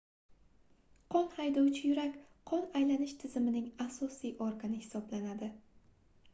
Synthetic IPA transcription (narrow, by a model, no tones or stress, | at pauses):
qʰɒnhajd̪ɒwt͡ʃʰɪjʊɾakʲqʰɒnajlanɪʃt̪ʰɪzɪmɪnɪŋasɒsijʔɒɾɡanɪhɪ̥sɒblanad̪ɪ